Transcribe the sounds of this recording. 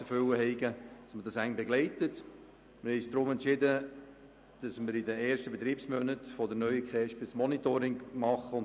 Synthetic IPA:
əfʏləɦɛɪɡəd̥ɑsmədɑsæɪnb̥ɛɡlɛɪtət | mɪɾhɛɪsd̥̪ɾʊmɛntt͡ʃɪdə | d̥ɑsməɾɪdəɛːɾʃtəbet̪ɾiːpsmœnətfɔdənœʏəkχɛʃb̥ɪsmɔnitoːɾɪŋmɑχəʊn

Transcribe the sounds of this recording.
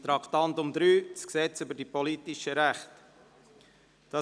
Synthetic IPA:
t̪ɾɑkt̪ɑnt̪ʊmd̪ɾyːt͡sksɛt͡sʏbəɾdipɔlitɪʃəɾæχt | d̥ɑ

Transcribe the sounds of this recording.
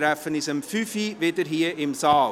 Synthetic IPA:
ɾæfənɪsəmfyfiʋedəɾɦiːəɪmsɑːl

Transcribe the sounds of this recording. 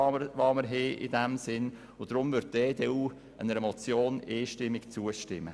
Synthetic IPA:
ʋɑməɾɦeːʔɪ̰dɛmsɪn | ʊd̥ɾʊmʋʏɾt̚d̥eːdeːuː | ʔə̰nəɾɛmɔt͡sjoːneːʃtɪmːɪkt͡suːəʃtɪmːə

